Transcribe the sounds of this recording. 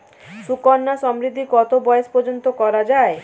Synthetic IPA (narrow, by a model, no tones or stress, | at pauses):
sukɔnːasɔmɾid̪ʱːikɔt̪obɔjespɔɾd͡ʒont̪okɔɾad͡ʒae